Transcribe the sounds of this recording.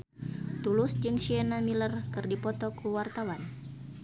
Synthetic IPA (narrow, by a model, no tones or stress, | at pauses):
t̪ulʊsd͡ʒɨŋʃiɛnamilərkɨrdipɔt̪ɔkuwart̪awan